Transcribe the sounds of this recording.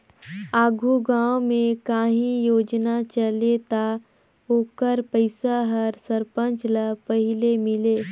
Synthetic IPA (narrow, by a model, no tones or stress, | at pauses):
aːɡʱuɡãːwmẽkaːɦĩjoːd͡ʒnat͡ʃəlet̪a | oːkəɾpəɪsaɦəɾsəɾpə̃nt͡ʃləpəɦɪlemɪleː